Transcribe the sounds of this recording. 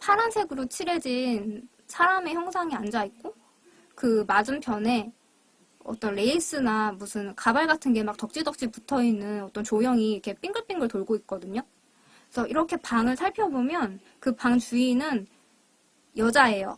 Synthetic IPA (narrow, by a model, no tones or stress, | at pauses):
pʰaɾansʰe̞ɡɯɾot͡ɕʰiɾe̞d͡ʑin | sʰaɾame̞çjʌŋsʰaŋiand͡ʑaik̚k͈o | kɯmad͡ʑɯmpʰjʌne̞ | ʌ̰t͈ʌnɾe̞is͈ɯnamusʰɯnkabaɭɡatʰɯnɡe̞mak̚tʌk̚t͡ɕ͈idʌk̚t͡ɕ͈iputʰʌinːɯnʌt͈ʌnt͡ɕojʌŋikʰe̞p͈iŋɡɯɭp͈iŋɡɯɭtoɭɡoik̚k͈ʌdɯɲo | sʰʌiɾʌkʰe̞paŋɯɭsʰaɭpʰjʌbomjʌn | kɯpaŋt͡ɕuinɯn | jʌd͡ʑae̞jo̰